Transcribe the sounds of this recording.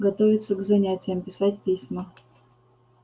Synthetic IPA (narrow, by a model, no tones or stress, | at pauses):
ɡɐt̪ovʲɪt̪səɡzɐnʲætʲɪjəmpʲɪsat̚ʲpʲisʲmə